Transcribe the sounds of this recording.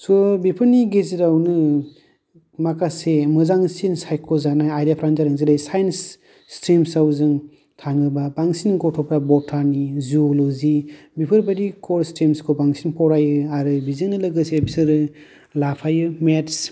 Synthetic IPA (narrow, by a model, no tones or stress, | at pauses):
sɔbipʰɯniɡeziɾawnɯ | makasemɯzaŋsinsajkʰɔzanajajɾapʰɾand͡ʒaɾɯŋziɾajsajnsː | tɾimsawzɯŋ | tʰaŋɯbabaŋsinɡɔtʰɔpɾabɔtʰaɾniziolozi | bipʰɯɾbadikʰɔɾstɾimskʰobaŋsinpʰɔwɾajɯaɾɯbizɯŋnɯlɯɡɯsebisɯɾɯ | lapʰajɯmets